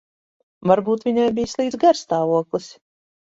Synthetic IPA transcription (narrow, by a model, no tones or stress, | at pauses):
vaɾbuːt̪vʲiɲajbʲijslˠiːd̪zɡaɾst̪aːvuɔklˠɨsʲ